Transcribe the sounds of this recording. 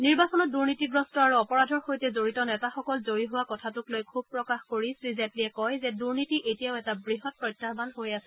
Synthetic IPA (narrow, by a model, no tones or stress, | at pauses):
niɹbasɔnɔt̚duɹnitiɡɹɔstɔaɹuɔpɔɹadʱɔɹxojtɛzoɹitɔnɛtaxɔkɔlzoɹiɦʊwakɔtʰatuklojkʰub̚pɹɔkaxkoɹisɹizɛtliɛkɔjzɛduɹnitiʔetijaʊɛtabɹiɦɔt̚pɹɔjtːabanɦojasɛ